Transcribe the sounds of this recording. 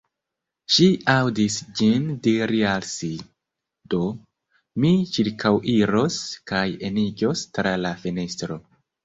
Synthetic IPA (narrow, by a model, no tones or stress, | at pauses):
ʃiawdisd͡ʒindiɾialsi | do̞ | mit͡ʃiɾkʰawʔiɾoskaje̞nid͡ʒo̞stɾalafinestɾo̞